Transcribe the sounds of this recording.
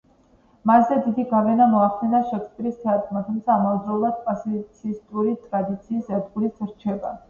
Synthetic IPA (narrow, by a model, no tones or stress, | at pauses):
maszɛd̪id̪iɡavɛnamɔaχd̪ɛnaʃɛkʰspʼiɾisːaɾk̪ʰʼmat̪ʰumt̪sʰaːmavd̪zɾɔlˠad̪̚pʼasit̪sʰist̪ʼuɾit̪ʼɾad̪it̪sʰiːsɛd̪ɡulitsɾt͡ʃʰɛba̰